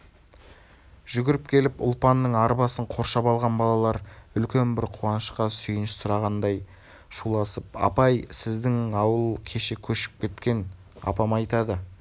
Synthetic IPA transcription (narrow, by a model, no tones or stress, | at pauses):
ʒ̥ʏɡʲɪɾɪp̚kʲʰe̞lɪpʊ̰lˠpɑnːəɴɑɾbɑsəɴqʰo̞ɾʃɑpɑlˠʁɑnbɑlˠɑlˠɑɾʏlkʲe̞nbɪɾqʰuɑnəʃqɑsʏjɪnɪʃɪssʊɾɑʁɑnd̪ɑj | ʃulˠɑsəp̚ɑ̰pɑjsɪzd̪ɪŋɑwəlˠkʲʰe̞ʃe̞kʲʰɵʃɪ̥p̚kʲʰe̞t̪kʲe̞n | ɑ̰pɑmɑjt̪ɑd̪ə